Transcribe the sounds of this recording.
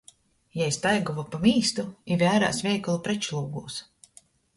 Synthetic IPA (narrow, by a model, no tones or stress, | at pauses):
jaist̪ajɡuvapamiːst̪uivʲæːɾa̰ːsvʲɛjkalˠupɾɛt͡ʃlˠuːɡuːs